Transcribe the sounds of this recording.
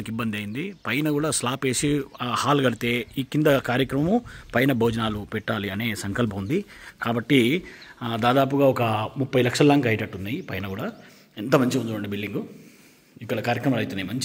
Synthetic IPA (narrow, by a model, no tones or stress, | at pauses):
kibːɐnd̪iɐjind̪ipɐjnɐɡuːɽaːslaːpe̞ːsihaːlɡɐɽit̪eːiːkind̪ɐkaːɾjɐkɾɐmɐmupɐjnɐbʱoːd͡ʒɐnaːlupɛʈːaːliɐne̞ːsɐŋkɐlpʰɐmund̪ikaːbɐʈːi | d̪aːd̪aːp̬uɡaːɔkɐmupːɐjlɐkʂɐlɐlaːŋɡɐjiʈɐʈːunːaːjipɐjnɐkuːɽaː | int̪ɐmɐɲt͡ʃiund̪uʋɐɳɖibilɖiŋɡu | ikːɐɭɐkaːɾjɐkɾɐmaːlɐjt̪unːaːjmɐɲt͡ʃi